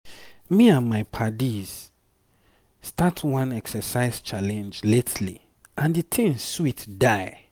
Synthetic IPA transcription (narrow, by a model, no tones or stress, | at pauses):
miãnmaɪpʰadiz̥ | statʰwãnɛksəsaɪz̥t͡ʃalɛ̃nd͡ʒletʰlḭ | ʔãnditʰĩnswitdaɪ